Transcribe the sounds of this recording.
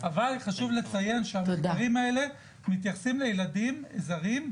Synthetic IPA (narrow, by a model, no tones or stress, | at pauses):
avalχaʃuvle̞t͡saje̞nʃeamaʁimae̞le̞ | mit̪jaχsimlejeladimḛzaʁim